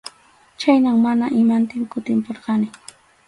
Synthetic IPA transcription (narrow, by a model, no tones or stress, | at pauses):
t͡ʃajnaŋmanaʔɪmant̪ɪmkʊt̪ɪmpoɾɢɑnɪ